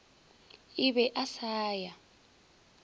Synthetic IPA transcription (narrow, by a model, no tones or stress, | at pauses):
iβɛʔasaːja